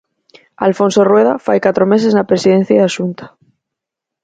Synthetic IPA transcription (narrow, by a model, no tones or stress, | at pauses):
a̰lfõ̞nso̞rwe̞ðafa̰jkat̪ɾome̞s̬e̞znapɾesiðe̞n̟θjaðasunt̪ḁ